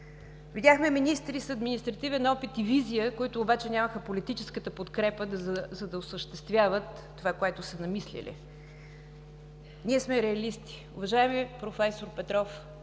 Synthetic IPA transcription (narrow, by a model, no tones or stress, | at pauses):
vid̪ʲaxmɛminist̪ɾisɐd̪minist̪ɾɐt̪ivɛnɔpit̪ivizijəkoit̪ʊːbat͡ʃɛnʲaməxəpolit̪it͡ʃɛskət̪əpot̪kɾɛpəd̪zɐd̪ɐosəʃt̪ɛst̪vʲjavət̪ːovakoɛt̪ʊsənɐmislḭlḭ | niɛsmɛɾɛɐlist̪i̥ | ʊvɐʒaɛmiəpɾofɛsoɾpɛt̪ɾɔf